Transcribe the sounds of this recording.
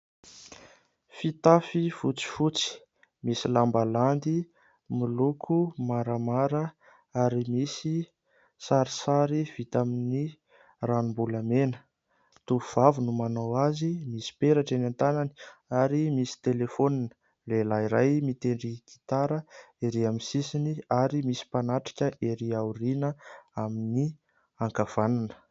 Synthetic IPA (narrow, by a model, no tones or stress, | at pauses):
fit̪afifut͡si̥fut͡si̥ | misilambaland̪i | milukʰumaɾamaɾə | aɾimisi | saɾisaɾiv̥it̪amini | ranumbulamenə̥ | t̪uuv̥avunumanawazimisi̥peɾaʈ͡ʂenant̪anani̥aɾimisi̥t̪elefoninə̥ | lelaiɾajmit̪eɳɖ͡ʐiki̥t̪aɾə | eɾiamisisiniaɾimisi̥panaʈ͡ʂḁkʲəʔeɾiaurinəamini | aŋkav̥ananə̥